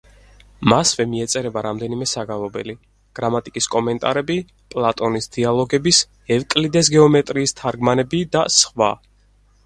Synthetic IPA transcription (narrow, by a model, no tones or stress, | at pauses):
masvɛmiɛt̪sʼɛɾɛbaɾamd̪ɛnimɛsaɡalˠɔbɛ̰li | ɡ̥ɾamat̪ʼikʼiskʼɔmɛnt̪ʼaɾɛbi | pʼlˠat̪ʼɔnisd̪̥ialˠɔɡɛbis | ɛvkʼlid̪ɛs̬ɡɛɔmɛt̪ʼɾiːst̪ʰaɾɡmanɛbid̪asχwa̰